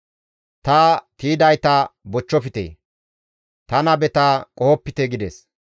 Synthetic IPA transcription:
t̪ɐt̪iːd̪ɐjt̪abɔt͡ʃːɔfɪt̪ḛː | t̪ɐnɐbɛt̪aːkʼɔhɔpːɪt̪eɡɪd̪ɛs

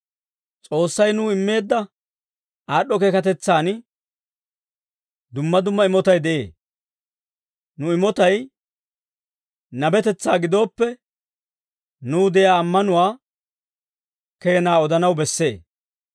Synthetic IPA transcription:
t͡sʼo̞ːsːɐjnʊːɪmːe̞ːd̪ːɐ | aːɗɔkeːkɐt̪ɛt͡sːaːnɪ | d̪ʊmːɐd̪ʊmːɐɪmɔt̪ɐjd̪ɛʔe̞ː | nʊɪmɔt̪ɐj | nɐbɛt̪ɛt͡sːaːɡɪd̪o̞ːpːɛ | nuːd̪ɛjaːmːɐnʊwaː | ke̞ːnaːɔd̪ɐnɐwbɛsːe̞ː

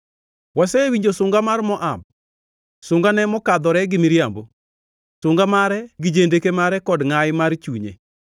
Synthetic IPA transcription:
wasɛwiɲd͡ʒosʊŋɡamarmɔʔam̚ | sʊŋɡanɛmɔkad̪ɔɾɛɡɪmiɾjambo | sʊŋɡamaɾɛɡɪd͡ʒendekemaɾɛkɔdŋajmart͡ʃuɲḛ

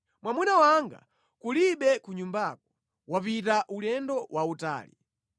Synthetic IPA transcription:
mwamunawaŋɡa̰ | kuliɓɛkuɲumbak̚ɔ̥ | wapitaʔulɛndɔwʔauta̰ːlḭ

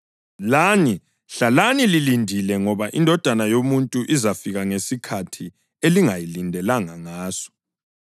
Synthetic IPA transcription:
lani | ɬalanililindʱilɛŋɔβaʔindʱɔd̥ʱanajomuntʼuʔizafiɣaŋesikʰatʰi | eliŋajilindʱɛlaŋaŋaːsɔ̥

